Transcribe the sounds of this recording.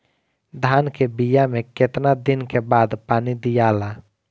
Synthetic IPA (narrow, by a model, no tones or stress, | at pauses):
d̪ʱaːnkebijamẽket̪nad̪ɪnkebaːd̪paːnid̪ijaːla